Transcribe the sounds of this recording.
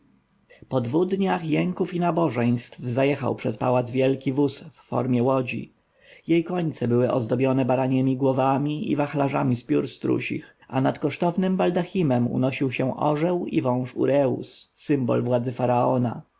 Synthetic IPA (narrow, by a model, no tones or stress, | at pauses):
pɔd̪vuɣd̪ɲaxjɛŋkufinabɔʐɛj̃st̪fzajɛxa̰wpʂɛt̪̚pawad̪zvʲjɛlkʲivusfːɔ̰ɾmʲjɛwɔd͡ʑḭ | jejkɔɲt̪sɛbɘwɘʔɔ̰zd̪ɔbjɔnɛbaɾaɲɛmʲiɡwɔvamʲiḭvaxlaʐamʲispʲjuɾst̪ɾṵɕḭxa̰nat̪kɔʂt̪ɔvnɘmbald̪axʲimɛmṵnɔɕiwɕɛ̃ʔɔ̰ʐɛwḭvɔ̃w̃ʂṵɾɛṵsːɘmbɔ̰lvwad̪zɘfaɾaɔna̰